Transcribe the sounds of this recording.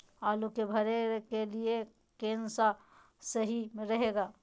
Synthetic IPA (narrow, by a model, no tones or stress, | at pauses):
alukebʱəɾekelie | kensa | səɦiɾəɦeɡaː